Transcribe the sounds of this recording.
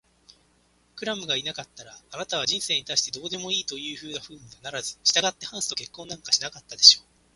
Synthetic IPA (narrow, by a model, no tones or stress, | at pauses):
kɯ̟ɾamɯ̟ɡainakat̪ːaɾaːnat̪aβad͡ʑĩɰ̃se̞ːɲit̪aiɕi̥t̪e̞d̪o̞ːd̪e̞mo̞iːt̪o̞jɯ̟ːɸɯ̟ːnaɸɯ̟ːɲiɡanaɾazɨ̥ɕi̥t̪aɡat̪ːe̞hãɰ̃sɨ̥t̪o̞ke̞kːõ̞nːãŋkḁɕinakat̪ːad̪e̞ɕo̞ː